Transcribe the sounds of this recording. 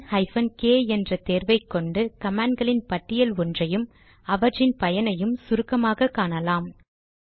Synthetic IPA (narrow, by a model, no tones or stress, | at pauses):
hɐɪfɐnkeːɛndrɐt̪eːɾʋɐɪkːɔɳɖɯkɐmaːɳɡɐɭɪnpɐʈːɪjɐlɔndrɐjɯm | ɐʋɐʈrɪnpɐjɐnɐjɯmsʊɾɯkːɐmaːɣɐkːaːnɐlaːm